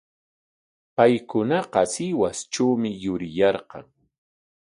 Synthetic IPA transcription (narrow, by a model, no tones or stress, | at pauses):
pajkʊnɑqɑsɪwast͡ʃawmɪjʊɾɪjɑɾqɑ̰ŋ